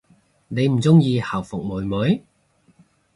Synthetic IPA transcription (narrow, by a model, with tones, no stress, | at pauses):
ne˨˧jm̩˨˩t͡sʊ˥ŋjiː˧hɐ˨˩wfʊ˨k̚muː˨˩jmʊ˨˥j